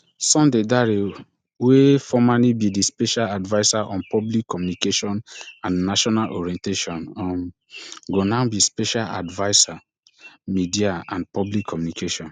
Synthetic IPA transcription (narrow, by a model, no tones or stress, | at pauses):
sɔ̃mdedaɹe | wefɔmalibidispeʃaladvaɪsaʔɔ̃npʰɔblikʰːɔmjunikeʃɔ̃nãnnaʃɔnalʔɔɹiɛ̃nteʃɔ̃nɔm | ɡonabispɛʃala̰dvaɪsa | midiaã̰npɔblikʰːɔmjunikʰeʃɔ̃n